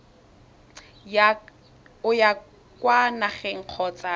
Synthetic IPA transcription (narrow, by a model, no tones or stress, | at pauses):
ja | ʊja | kʼwanaχɛŋ̩q͡χʰɔt͡sʼa